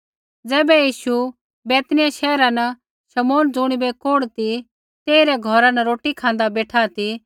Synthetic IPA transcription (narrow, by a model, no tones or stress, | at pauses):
d͡zɛːbɛjiːʃu | bɛːt̪nɪjaʃɛːɾanɐ | ʃɐmoːnd͡zʊɽ̃ibɛkoːɽt̪i | t̪eːiɾɛɡʱɔɾanɐɾoːʈikʰãːn̆d̪abeːʈʰat̪i